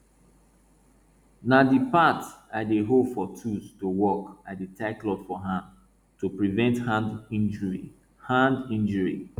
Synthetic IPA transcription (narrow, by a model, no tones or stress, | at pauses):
nadipataɪdeɦopfɔtʰustowɔkaditaɪklɔdfɔɦãnd | tupɹivɛ̃nthãndĩnd͡ʒi | hãndĩnd͡ʒəɹḭ